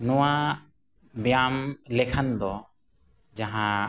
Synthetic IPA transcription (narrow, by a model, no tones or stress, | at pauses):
nɔwa | bjamlɛkʰand̪ɔ | d͡ʒaɦã